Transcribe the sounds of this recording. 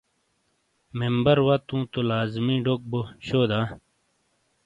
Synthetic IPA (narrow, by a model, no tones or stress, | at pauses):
membɐɾwɐt̪ũːt̪olaːzmĩːɖok̚boɕoːd̪ãː